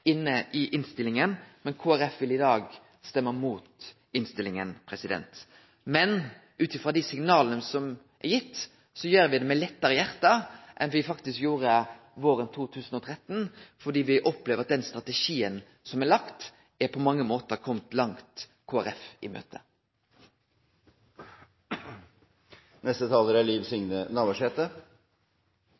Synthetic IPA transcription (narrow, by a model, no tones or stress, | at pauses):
ɪnːəʔɪʔɪnst̪ɪlɪŋənmɛnkʰoːæɾɛfʋɪlɪd̪ɑːɡ | st̪ɛmːəmuːt̪ | ɪnst̪ɪlɪŋənpʰɾɛsɪd̪ɛ̰nt̪ | mɛn | ʉːt̪ɪfʁɑd̪ɪsɪŋnɑːlənəsɔm | ʔɛɾjɪt̪ː | sɔjøːɾʋɪd̪ɛmɛlɛt̪ːəɾəjæʁt̪ɑʔɛnʋɪfɑkt̪ɪskjuːɾə | ʋoːɾənt̪ʰuːt̪ʰʉːsn̩ɔt̪ʰɾɛt̪ːnfɔɖ̪iːʋɪʔɔpleːʋʁɑt̪̚d̪ɛnst̪ɾɑt̪ɛʂiːən | sɔmælɑkt̪ | æɾpʰɔmɑŋːəmoːt̪əʁkʰɔmt̪lɑŋt̪ | kʰoːæʁɛfɪ̰mø̰ːt̪ə | nɛst̪ət̪ʰɑːləɾæɭiːʋsʏŋnənɑːʋəʂɛːt̪ə